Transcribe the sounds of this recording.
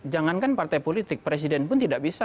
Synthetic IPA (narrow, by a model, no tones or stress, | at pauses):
d͡ʒaŋankanpart̪ajpolit̪ɪk̚pɾes̬idɛnpʊnt̪idaʔbisa